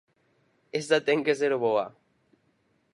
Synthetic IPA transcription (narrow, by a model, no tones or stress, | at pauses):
est̪at̪eŋkeseɾoβoa